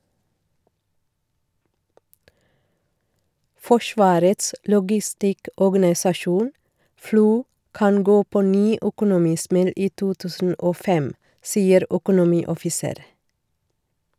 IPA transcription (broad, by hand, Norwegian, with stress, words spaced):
ˈfɔʃʋɑːɾəts lɔɡɪˈstɪkɔɡɑnɪsɑˌʃuːn ˈfluː ˈkɑn ˈɡoː pɔˈnyː œkʊnʊˈmiːˌsmɛl ˈiː ˈtuː ˈtʉːsn̩ ˈʔoː ˈfɛm ˈsiːəɾ œkʊnʊˈmiːɔfɪˌseːɾ